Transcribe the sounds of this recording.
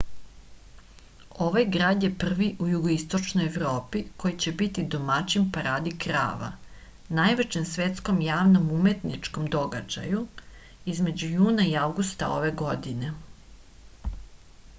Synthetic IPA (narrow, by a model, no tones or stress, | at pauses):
o̞ʋajɡɾaːd̪je̞pr̩ʋiʔujuɡoist̪o̞t͡ʃnojeʋɾo̞ːpiko̞jit͡ɕe̞bit̪id̪o̞mat͡ɕimpaɾaːd̪ikɾa̰ːʋa̰ | najʋet͡ɕemsʋet̪sko̞mjaːʋno̞mume̞t̪nit͡ʂko̞md̪o̞ɡa̰d͡ʑa̰ju | izme̞d͡ʑujuːnaiaʋɡust̪a̰o̞̰ʋe̞ɡo̞d̪ine̞